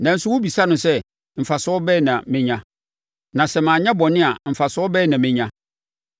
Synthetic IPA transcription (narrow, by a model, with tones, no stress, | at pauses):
nã˨n̩˦sʊ˦wʊ˦bi˨sa˦nʊ̃˨sɛ˦ | m̩˨fa˨sʊ˦ɔ˦bɛː˦˨nã˨mɪ̃˦ɲã˦ | nã˨sɛ˦mã˨ɲã˦bɔ˨nɪ̃˦a˨m̩˨fa˨sʊ˦ɔ˦bɛː˦˨nã˨mɪ̃˦ɲã˦